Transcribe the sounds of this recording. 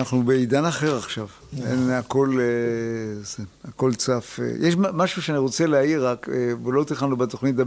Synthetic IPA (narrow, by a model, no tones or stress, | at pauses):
naχnubeidanaχe̞ʁaχʃav | ḛnako̞le | zeako̞lt͡safḛjʔeʃmaʃuʃeaniʁo̞t͡seleaiʁakvelo̞t̪iχanubet̪o̞χnit̬a